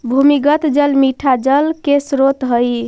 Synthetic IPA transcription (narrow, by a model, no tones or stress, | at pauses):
bʱumiɡət̪d͡ʒəlmiʈʰad͡ʒəlkesɾot̪ɦəj